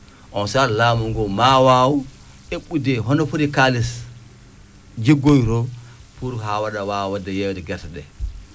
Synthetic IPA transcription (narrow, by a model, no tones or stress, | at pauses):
ʔɔnsaɾlaːmuŋɡɔmawaːwu | eɓudɛɦɔnɔfuɾikalis | d͡ʒeɡojɾɔpuɾɦawadawawwadajɛwɛdɛɡɛɾtaɗɛ̰